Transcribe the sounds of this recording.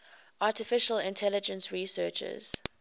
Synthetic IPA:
ʔatɪfɪʃəlɪ̃ntʰɛlɪd͡ʒə̃nsɹisɜːt͡ʃə̰z̥

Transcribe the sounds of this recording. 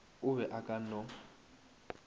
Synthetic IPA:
ʊβɛʔakʼan̩ɔ

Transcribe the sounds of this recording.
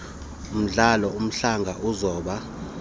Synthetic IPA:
um̩ɮalɔum̩ɬaŋɡʱaʔuzɔːɓa

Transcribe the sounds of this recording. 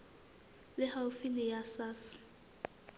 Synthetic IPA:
lɪhawfinɪjasas

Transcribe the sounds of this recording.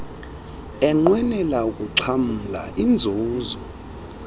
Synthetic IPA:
ɛŋ͡ǃwɛnɛlauk̬ʼuǀʰam̩la̰ʔind͡zʱuːzɔ

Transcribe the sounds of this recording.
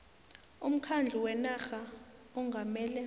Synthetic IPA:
um̩kʰand͡ɮʱuwɛnaxaɔŋɡʱamɛːlɛ

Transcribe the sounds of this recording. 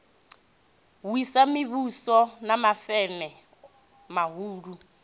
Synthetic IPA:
wisamiβusɔnamafɛmɛ | maɦuːɺu

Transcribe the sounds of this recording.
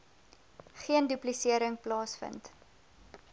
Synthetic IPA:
χiəndyplisiəɾəŋplɑːsfə̰nt

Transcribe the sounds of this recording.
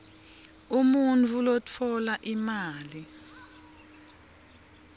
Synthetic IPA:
umunt͡fʰulotʰɔlaʔimaːli

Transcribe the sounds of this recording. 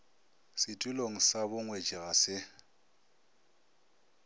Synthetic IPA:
sɪtʼʊloŋ̩sabʊŋwet͡ʃʼiɣasɪ

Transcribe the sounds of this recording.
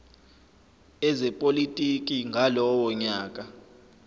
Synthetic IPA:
ɛzɛpʼolitʼik̬ʼiŋɡʱalɔwɔɲaːkʼa

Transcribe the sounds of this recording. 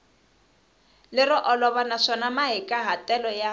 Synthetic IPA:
lɪrɔʔɔlɔβanaʂɔnamaɦɪkʼaɦatʼɛlɔja

